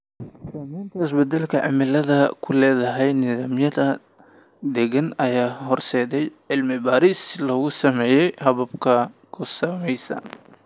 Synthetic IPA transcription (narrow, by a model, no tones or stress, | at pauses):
ssaːmɛjnt̪ʰɐɪsbɛd̪ɛlkʰɐʕɪ̰mɪlɐðɐkʰʊlɛːðɐɦɛjnɪðaːmjɐðɐ | d̪ɛɣɐnɐjaːɦɔrsɛːðɛjʕɪlmɪbaːɾiːslɔːɣʊsɐmɛːjɛjhɐβɐbkʰɐkʰʊsɐmɛjsɐ̰